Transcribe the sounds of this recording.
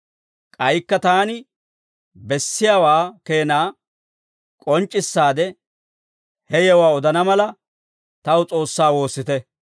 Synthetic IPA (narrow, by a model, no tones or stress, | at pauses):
kʼɐjkːɐt̪aːnɪ | bɛsːɪjaːwaːke̞ːnaː | kʼɔnt͡ʃʼːɪsːaːd̪ɛ | hɛjɛwaːɔd̪ɐnɐmɐlɐ | t̪ɐwʊt͡sʼo̞ːsːaːwo̞ːsːɪt̪ɛ